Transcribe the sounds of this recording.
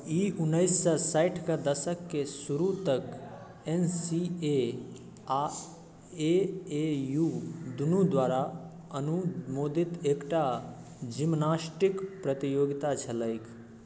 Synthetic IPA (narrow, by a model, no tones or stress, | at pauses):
iʊnːəɪsːəsaɪʈʰkad̪əsəkːesuɾut̪ək | ensie | a | eejud̪unud̪waːɾa | ənumoːd̪ʱit̪eːkʈa | d͡ʒimnaːsʈikpɾət̪ijoːɡit̪at͡ʃʰələɪkʰ